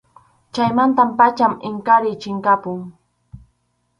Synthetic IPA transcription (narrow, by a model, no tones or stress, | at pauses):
t͡ʃajmant̪ampat͡ʃamɪŋkaɾɪt͡ʃɪŋkapʊŋ